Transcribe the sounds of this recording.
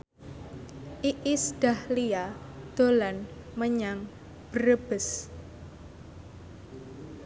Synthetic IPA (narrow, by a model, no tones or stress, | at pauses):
ʔiʔisd̥ahliad̪̥o̤lanməɲaŋ | b̥əɾəb̥əs